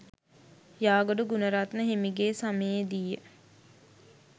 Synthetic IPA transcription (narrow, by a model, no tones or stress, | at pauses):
jaːɡoɖuɡunəɾat̪nəɦemiɡeːsaməjed̪ijə